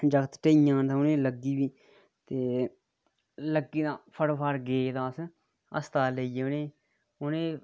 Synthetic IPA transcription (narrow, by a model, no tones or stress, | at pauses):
d͡ʒəɡt̪ʈeːijãːnt̪ãʊnẽːləɡiːbiː | t̪eː | ləɡːiːd̪ãːpʰəɽpʰəɾɡeːd̪ãːs | ə̰st̪aːləiːʊneː | ʊneː